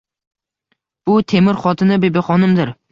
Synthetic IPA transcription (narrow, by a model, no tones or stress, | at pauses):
b̥ʊt̪ʰe̞mɪɾχɒt̪ʰɪnɪbebɪχɒnɪmd̪ɪɾ